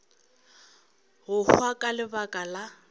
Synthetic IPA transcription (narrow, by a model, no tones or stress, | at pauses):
ɦʊhwakʼalɪbakʼala